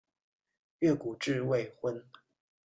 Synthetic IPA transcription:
ɥɛ˥˩ku˨˩ʈ͡ʂɻ̩˥˧we˥˧ɪxwə˥n

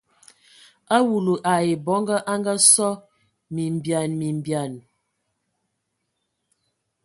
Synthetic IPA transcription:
a˦wu˨lu˨ʔa˨je˨bɔ˨˦ŋɡa˦ʔa˦ŋɡa˦sɔ˦ | mi˨m˨bja˨nmi˨m˨bja˨n

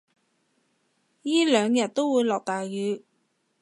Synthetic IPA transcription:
jiː˥lœː˨˧ŋjɐ˨t̚t̪o˥wwuː˨˧jlɔː˨˩k̚t̪aː˨˩jjyː˨˧˥

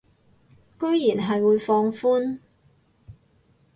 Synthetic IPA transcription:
kɵ˥ɥjiː˨˩nɦɐ˨jwuː˨˧jfɔː˧ŋfuː˥n

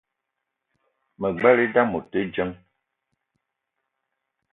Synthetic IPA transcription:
mə˨ɡ͡bɛ˦li˦da˦mo˨tə˦d͡ʒə˦ŋ

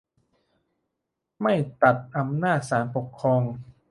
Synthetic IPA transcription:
ma˥˩jt̪a˨˩t̪̚ʔa˧mnaː˥˩t̪̚saː˩˦npo˨˩kʰːɾɔː˧ŋ

